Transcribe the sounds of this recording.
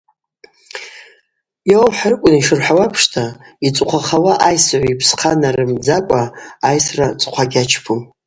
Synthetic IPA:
jowmħarkʷʼʊniʂɨrħawapʰʂtʰait͡sʷʼqʷʰaχawaʔajsʕʷipʰsqʰanaɾɨmd͡zakʷʼaːjsrat͡sʼqʷʰaɡʲat͡ʃʰpʰum

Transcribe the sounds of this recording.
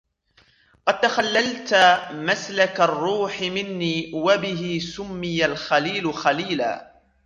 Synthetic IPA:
qɑd̪̚t̪axalːalt̪maslakarˤːuːħɪmɪnːiːwabɪɦɪsʊmːɪjalxaliːlʊxaliːla̰ː

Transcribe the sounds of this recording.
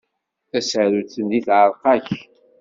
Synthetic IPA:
θæsəɾut͡sːənðiθʕəɾˤqɑç

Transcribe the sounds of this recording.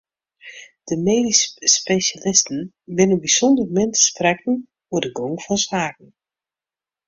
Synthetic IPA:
d̥əmeːdisspeʃalɪstn̩ | ʋɪnənbisɔndərmɪntsprɛkən̩ | uədəɡoŋfɔnsaːk̚n̩

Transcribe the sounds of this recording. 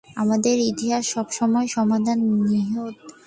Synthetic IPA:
amad̪eɾit̪iɦaʃʃɔbʃɔmɔeʃɔmad̪ʱanːiɦot̪

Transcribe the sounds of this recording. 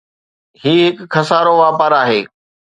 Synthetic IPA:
ɦiːɦɪkkʰːɐsaːɾoʋaːpəːɾaːɦeː

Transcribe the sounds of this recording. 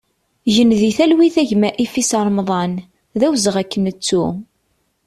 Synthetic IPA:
ʝənðiθælwiθæʝmæʔifisəɾˤmðˤɑn | ðæwzəʁækːənət͡sːu

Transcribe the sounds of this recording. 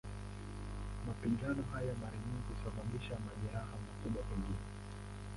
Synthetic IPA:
mapiŋɡanɔɦajamaɾaɲiŋɡuusaɓaɓiʃamaʄɛɾaɦamakuɓwakiŋɡinɛ

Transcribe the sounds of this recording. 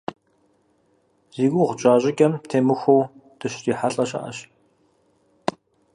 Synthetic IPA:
z̥iːɡʷuʁʷt͡ʃʼaːʑʼɪkʲʼɐmtʰeːmɨxʷowd̥ɨʃriːħaɬʼɐɕa̰ʔɐ̰ɕ

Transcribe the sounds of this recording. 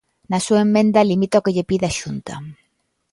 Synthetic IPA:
nɐsuaemːẽnd̪ɐlimit̪aokeʎepiðaʃunt̪ɐ̰

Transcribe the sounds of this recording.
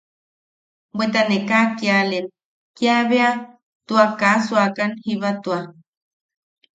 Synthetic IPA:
bwet̪anekakjalen | kiaβea | t̪uakasuakanhiβat̪ua

